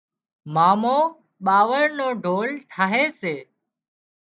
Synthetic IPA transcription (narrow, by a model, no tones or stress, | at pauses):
maːmoː | ɓaːʋəɽnoːɖʱoːlʈʰaːɦeːseː